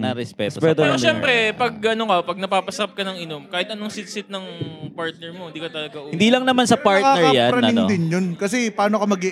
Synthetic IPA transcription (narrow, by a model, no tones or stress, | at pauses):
nɐɾɛspɛpɛt̪ɛɾoʃɛmpɾɛpɐɡɐnokɐpɐɡ̚nɐpaːpɐsɐɾɐp̚kɐnɐŋɪnomkaːhɪt̪ʔɐnoŋsɪt̪̚sɪt̪̚nɐŋpaɹt̪̚nɛɹmoɪnd̪iːkɐt̪ɐlɐɡaʔuɪnd̪iːlɐŋnɐmansɐpaɾkaɛjaɾɐnɪŋnd̪ɪnjonkɐsɛpaːno̞kɐmɐɡɪʔ